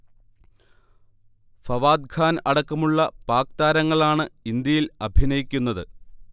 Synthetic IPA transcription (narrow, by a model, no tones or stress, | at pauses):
fɐʋaːd̪̚ɡʰaːnɐɽɐkːɐmuɭːɐpaːk̚t̪aːɾɐŋːɐɭaːɳɨind̪jɐjilɐbʱinɐjikʲːunːɐðɨ